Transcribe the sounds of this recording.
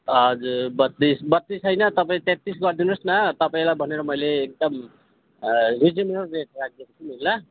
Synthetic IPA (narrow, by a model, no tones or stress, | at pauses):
ʌd͡zuɾbʌt̪ːisbʌt̪ːisɦʌjnʌt̪ʌpaĩt̪ẽt̪isɡʌrd̪inusnʌt̪ʌpaĩlajbʱʌneɾʌmʌjleːk̚d̪ʌm | rid͡zimenʌrreʈ̚rak̚d̪jekot͡sʰumilːa